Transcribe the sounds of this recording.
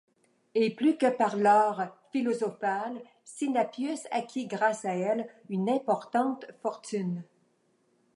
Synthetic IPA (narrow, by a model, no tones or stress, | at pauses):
eplykəpaʁlɔːʁfilɔzɔfal | sinapjysa̰kʲiɡʁasaɛlynɛ̃pɔʁt̪ɑ̃t̪fɔʁt̪yn